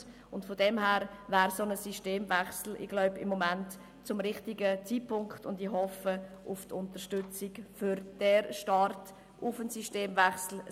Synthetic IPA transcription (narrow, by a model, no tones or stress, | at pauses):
ʊntfodɛmɦæːɾvæːɾsonəsiʃteːmvɛχsl̩ɪ̰ɡ̥laʊbɪmːɔmænt | t͡sʊmɾɪχtɪɡət͡siːpʰʊŋkχtʊndihɔfəʊftʰʊntəʃtʏt͡sɪkfʏɾd̥ɛɾʃtɑɾt | ʔʊfənsiʃteːmvɛχsl̩